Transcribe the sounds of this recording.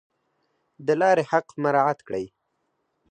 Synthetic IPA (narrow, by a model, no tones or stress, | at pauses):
d̪əlɑɾehaqmaɾɑat̪kɽə̰j